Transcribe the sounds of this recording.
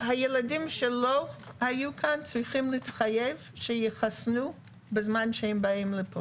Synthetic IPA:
hajeladimʃelohajukʰant͡sʁiχimlitχajevʃejeχasnu | bezmanʃehembaimlepʰo

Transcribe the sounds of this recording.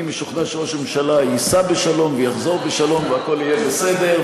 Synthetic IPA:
imeʃuχnaʃʁoʃmemʃalajisabeʃalo̞mvejaχzo̞ʁbeʃalo̞mveako̞lijebese̞d̪e̞

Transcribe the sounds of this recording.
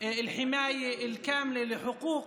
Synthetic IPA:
ɪlħɪmaːjaɪlkaːmlelɪħʊquːq

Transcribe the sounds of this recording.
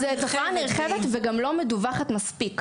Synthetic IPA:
zet̪ofaniʁχevet̪veɡamlo̞meduvaχatmaspik

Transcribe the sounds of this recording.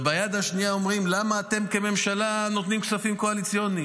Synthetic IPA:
bajad̪aʃnijao̞mʁimlamaːt̪e̞mke̞me̞mʃalanot̪nimksafimkoalit͡sjoni

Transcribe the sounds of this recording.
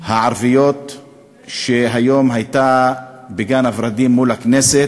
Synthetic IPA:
haʕaɾvijo̞t̪ | ʃeɦajo̞mɦajt̪abeɡanavɾad̪imːulhakneset

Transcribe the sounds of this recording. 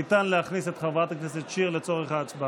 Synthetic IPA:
it̪anleaχniset̪χavat̪akneset̪ʃiʁlet͡soʁeχaːt͡sba

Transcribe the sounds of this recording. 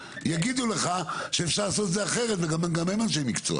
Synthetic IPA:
jaɡid̪ule̞χaʃeefʃaʁlas̬o̞t̪ezeaχe̞ʁet̪veɡamamɡamemanʃ̬ejmikt͡so̰a̰

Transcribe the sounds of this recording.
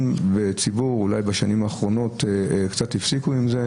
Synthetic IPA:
mbet͡sibuʁulajbaʃanimaːχʁo̞no̞tekt͡satifsikuimze

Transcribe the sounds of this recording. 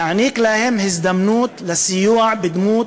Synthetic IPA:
aʕniːklaːhɪmhɪzd̪amnuːt̪lasɪjuːʕbɪd̪muːt̪

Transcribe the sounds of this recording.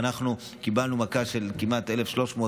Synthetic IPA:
naχnu | kibalnumakaʃe̞lkimʔat̪ʔe̞lefʃlo̞ʃmoː

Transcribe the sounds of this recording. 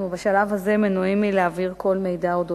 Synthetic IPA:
ubaʃalavhazemenoimileaviʁko̞lmejd̪aod̪o

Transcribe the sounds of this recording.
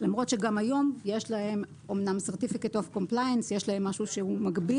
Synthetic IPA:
lamʁo̞tʃeɡamajo̞mje̞ʃlahe̞m | omnamseʁt̪ifiketofko̞mplajensje̞ʃlahe̞mːaʃuʃehumaɡbi

